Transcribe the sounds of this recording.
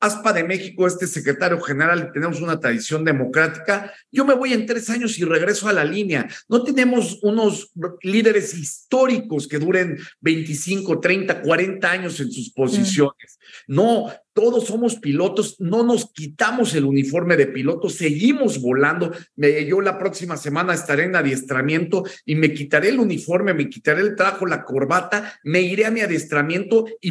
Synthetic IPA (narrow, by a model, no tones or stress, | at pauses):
aspaðe̞me̞xiko̞e̞st̪e̞se̞kɾet̪aɾjo̞xe̞ne̞ɾalt̪e̞ne̞mo̞s̬unat̪ɾaðisjo̞nd̪e̞mo̞kɾat̪i̥ka | ɟ͡ʝo̞me̞βo̞je̞nt̪ɾe̞saɲo̞sire̞ɣ̞ɾe̞soalalineano̞t̪e̞nẽ̞mo̞suno̞sliðe̞ɾe̞sist̪o̞ɾiko̞ske̞ðuɾe̞nbe̞jnt̪isiŋko̞t̪ɾejnt̪akwaɾe̞nt̪aaɲo̞se̞nsuspo̞sisjo̞ne̞sno̞t̪o̞ðo̞sːo̞mo̞spilo̞t̪o̞sno̞no̞skit̪amo̞se̞lunifo̞ɾme̞ðe̞pilo̞t̪o̞se̞ɣimo̞zβo̞land̪o̞mejo̞lapɾo̞ksimase̞mãnaest̪aɾeenaðje̞st̪ɾamje̞nt̪o̞ime̞kit̪aɾe̞ːlunifo̞ɾme̞me̞kit̪aɾeːlt̪ɾaxo̞lako̞ɾβat̪ame̞iɾe̞amiaðje̞st̪ɾamje̞nt̪o̞i